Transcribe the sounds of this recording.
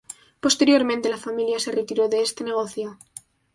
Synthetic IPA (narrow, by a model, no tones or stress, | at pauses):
po̞st̪e̞ɾjo̞ɾmẽnt̪e̞lafamiljaseret̪iɾo̞ðeest̪ene̞ɣ̞oθjo